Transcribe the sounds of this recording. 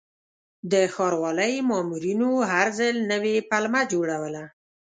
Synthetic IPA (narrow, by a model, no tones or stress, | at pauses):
d̪əxɑɾwɑləjmɑmuɾinoɦaɾzəlnəwepalmad͡ʒoɽawəla